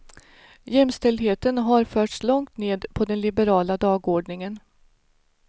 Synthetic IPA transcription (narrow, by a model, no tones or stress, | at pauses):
jɛmst̪ɛld̪ɦeːt̪ənɦaɾfœːʈslɔŋt̪neːd̪pʰɔd̪ɛnlɪbəɾɑːlad̪ɑːɡoːɖɳɪŋən